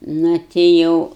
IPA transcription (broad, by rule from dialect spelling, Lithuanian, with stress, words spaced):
ˈnʊ tʲɪ ˈjɛʊ